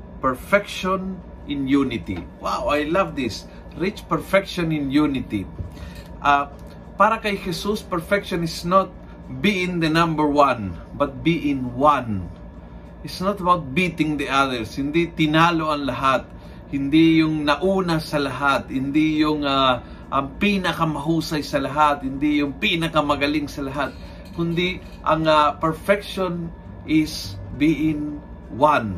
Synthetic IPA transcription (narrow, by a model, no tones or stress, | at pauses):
pɛɹfɛkʃɔ̃n | ʔɪ̃njunɪt̪ḭwawajlavd̪ɪs | ɹɪt͡ʃpɛɹfɛkʃɔ̃nɪ̃njunɪt̪ḭ | ʔa | paːɾɐkɐjhɛsuspɛɹfɛkʃɔ̃nɪsnot̪̚ | biʔɪ̃ŋd̪ənãmbəɹwãnbɐt̪̚biʔɪ̃nwãn | ʔɪt̪snat̪ɐbawt̪̚bit̪ɪŋd̪iaðəɹshɪnd̪it̪ɪnaːloʔɐŋlɐɦat̪̚ | hɪnd̪ijʊŋnɐʔuːnasɐlɐɦat̪hɪnd̪ijʊŋa | ʔɐŋpinɐkɐmɐɦuːsajsɐlɐɦat̪hɪnd̪ijʊŋpinɐkɐmɐɡɐliŋsɐlɐɦat̪̚ | kʊnd̪i | ʔɐŋapɛɹfɛkʃon | ʔɪsbiʔɪ̃ŋ | wan